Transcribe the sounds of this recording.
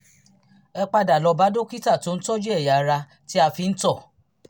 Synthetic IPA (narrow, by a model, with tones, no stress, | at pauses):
ɛ˧k͡pa˧da˨lɔ˧ba˨˦do˦ki˦ta˦˨to˧˦n̩˦tɔ˦d͡ʒe˦ɛ˦˨ja˨˧ɾa˧ | ti˦a˧fi˧n̩˦tɔ˦˨